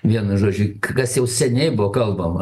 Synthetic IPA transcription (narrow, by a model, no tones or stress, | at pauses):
ʋʲiɛnʊʒoːd͡ʒʲʊkkɐsjɛʊsʲɛnʲɛɪbʊʋokɐlˠbɐmɐ